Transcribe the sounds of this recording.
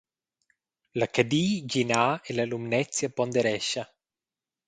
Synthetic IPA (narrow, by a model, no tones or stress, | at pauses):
lakad̪iːd͡ʒinaːelalumnɛt̪sjapɔnd̪eɾɛʃːa